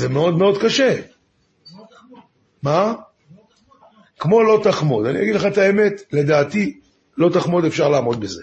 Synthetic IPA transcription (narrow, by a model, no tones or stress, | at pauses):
zemeo̞d̪meo̞d̪kaʃe̞ | ma | kmo̞lo̞t̪aχmo̞d̪anḭjaɡidleχaet̪ae̞me̞t̪le̞d̪aːt̪i | lo̞t̪aχmo̞d̪efʃaʁlaːmo̞d̪beze